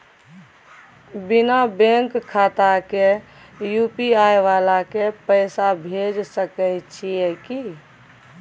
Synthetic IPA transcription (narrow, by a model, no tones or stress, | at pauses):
binabẽŋkkʰːat̪ake | jupiaeʋalakepəɪsabʱed͡ʒsəkəjt͡ʃʰieki